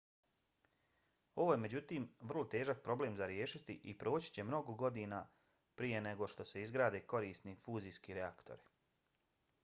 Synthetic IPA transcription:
o̞ʋojeme̞d͡ʑut̪iːmʋr̩lˠo̞t̪e̞ːʒak̚pɾo̞ble̞ːmzaɾjeːʃit̪iʔipɾoːt͡ɕi̥t͡ɕe̞mno̞ɡoɡo̞d̪iːnaː | pɾije̞ne̞ɡo̞ʃt̪o̞se̞izɡɾaːd̪e̞ko̞ɾiːst̪nifuːzijskiːɾeakt̪o̰ɾi

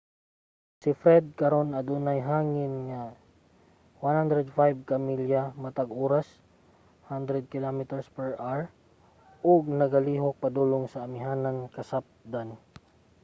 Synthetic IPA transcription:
sɪfɾɛd̪̚kɐɾonɐd̪uːnajɦaːŋɪnŋa | wanhand̪ɾɛd̪fajb̚kɐmiljamɐt̪aɡoːɾas | hand̪ɾɛd̪̚kɪlomɪt̪ɛɹspɛɹʔaɹ | ʔʊɡ̚nɐɡɐliːɦok̚pɐd̪uːlʊŋsɐːmɪɦaːnankɐsap̚d̪an

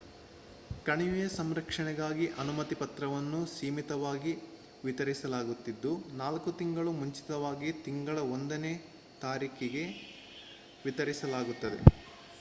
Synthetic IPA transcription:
kɐɳiʋijɐsɐmɾɐkʂɐɳɛɡaːɡiʔɐnumɐt̪ipɐt̪ɾɐʋɐnːusiːmit̪ɐʋaːɡi | ʋit̪ɐɾisɐlaːɡut̪ːid̪ːunaːlkut̪iŋɡɐɭumuɲt͡ʃi̥t̪ɐʋaːɡit̪iŋɡɐɭɐo̞nd̪ɐneː | t̪aːɾiːkiɡe̞ | ʋit̪ɐɾisɐlaːɡut̪ːɐd̪ḛ

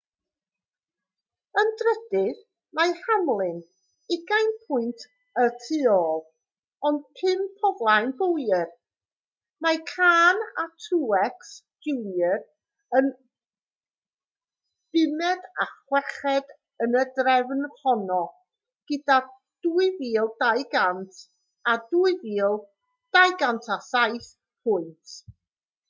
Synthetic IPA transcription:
əndrəd̥ɪð | majhamlˠɪn | ɪɡajnpʰʊɨntʰ | ətʰɪɔːlˠ | ɔnd̥pʰɪmpʰɔvlˠajnb̥owjər | makʰaːnatʰuːɛks | d͡ʒɪwjər | ən | d̥ɪmɛdaχwɛχɛd | ənədrɛvnhɔnɔ | ɡ̥əda | d̥uɨviːlˠdajɡantʰ | aduɨviːlˠ | d̥ajɡantʰasajθ | pʰʊjntʰ

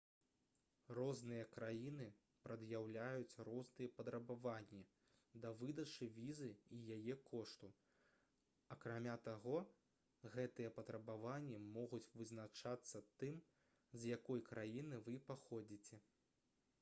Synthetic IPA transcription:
rɔznɨjɐkɾajinɨ | pɾɐd̪jawlʲajut͡sʲɾɔznɨjɐpɐd̪ɾɐbavanʲːi | d̪ɐvɨd̪ɐt͡ʂɨvʲizɨijajɛkʰɔʂt̪u | ɐkɾamʲat̪aɣɔ | ɣɛt̪ɨjɐpɐt̪ɾɐbavanʲːimɔɣut͡sʲvɨznat͡ʂat̪sːɐt̪ɨm | zjakɔjkɾajinɨvɨpaxɔd͡zʲit͡sʲɛ

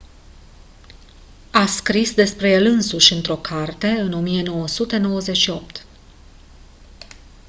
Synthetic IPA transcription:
askɾisd̪e̞spɾe̞je̞lɨnsuʃʲɨnt̪ɾo̞kʰart̪e̞ɨnomije̞no̞wəsut̪e̞no̞wəze̞t̪ʃio̞p̚t̪

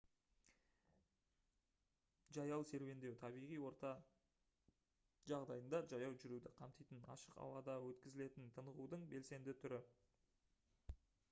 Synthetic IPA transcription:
ʒɑjɑlˠse̞ɾve̞nd̪e̞wt̪ʰɑbijʁijwo̞ɾt̪ɑ | ʒɑʁd̪ɑjənd̪ɑʒɑjɑwʒʏɾud̪ɪqʰɑmt̪ijt̪ənɑ̰ʃəqɑ̰wɑd̪ɑwɵt̪kʲɪzɪle̞t̪ɪnt̪ʰənəʁud̪əɴbe̞lse̞nd̪ɪt̪ʰʏɾɪ

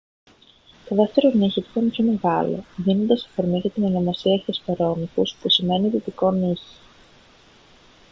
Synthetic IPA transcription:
t̪oðe̞ft̪e̞ɾoniçip̪i̥t̪ɐinepço̞me̞ɣɐlo̞̰ðino̞nd̪ɐsɐ̥fo̞ɾmiʝɐt̪inenomɐsiɐtespɐɾo̞mikuspusime̞niðit̪iko̞niçi̥

